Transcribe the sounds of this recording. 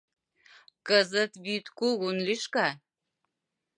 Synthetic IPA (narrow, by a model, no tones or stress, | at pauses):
kəzət̪βyt̪kuɣunliʃkɑ